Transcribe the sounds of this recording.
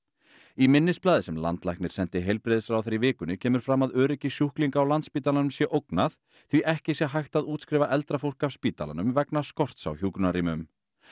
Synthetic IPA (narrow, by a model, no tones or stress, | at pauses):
imɪnːɪsplaːðɪsɛmla̰nt̪la̰jhknɪɾ̥sɛnt̪ɪɦejlpɾɪðɪsɾawθeɾivɪːkʏnɪcʰɛːmʏɾ̥fɾamaðœːɾɪcɪsjuhkliŋkaːwlant̪spiːt̪alanʏmsjɛʔowknaθ | θviʔɛhcɪsjɛɦajht̪aðuːt̪skɾɪːvaʔɛl̪t̪ɾafowl̥kafspiːt̪ala̰nʏmvɛknaskɔr̥t̪sa̰wçjuːkɾʏnaɾiːmʏm